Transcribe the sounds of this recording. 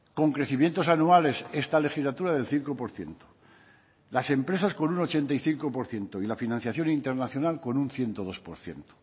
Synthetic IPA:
ko̞ŋkɾe̞θimje̞nt̪o̞sanuale̞se̞st̪ale̞xizlat̪uɾaðe̞lθiŋko̞po̞ɾθje̞̰nt̪o̥ | lase̞mpɾe̞sasko̞nuno̞t͡ʃe̞nt̪aiθiŋko̞po̞ɾθje̞nt̪oilafinãnθjaθjo̞nint̪e̞ɾnaθjo̞nalko̞nunθje̞nt̪oð̞o̞spo̞̰ɾθje̞̰nt̪o̥

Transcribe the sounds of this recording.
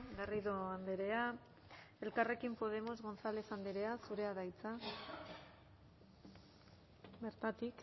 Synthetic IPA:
ɡariðo̞and̪eɾe̞a | e̞lkare̞kimpo̞ð̞e̞mo̞zɣo̞nsale̞sand̪eɾe̞asuɾe̞aðajt͡sa | be̞ɾt̪at̪ik

